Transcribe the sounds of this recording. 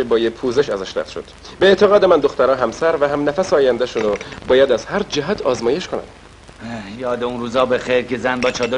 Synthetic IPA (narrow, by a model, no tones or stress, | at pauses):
ebɒːjepʰuːzeʃæzæʃɾæ̰ft̪ʃod̪̥beet̪ʰeɣɒːd̪emænd̪o̞xt̪æɾɒːɦæmsæɾvæɦæmnæfæseɒːjænd̪æʃunobɒːjæd̪æz̥hæɾd͡ʒæɦæt̪ʰɒ̰ːzmɒːjeʃkʰonæ̰m | jɒːd̪eunruːzɒːbexejɾcezænbɒːt͡ʃʰɒːd̪o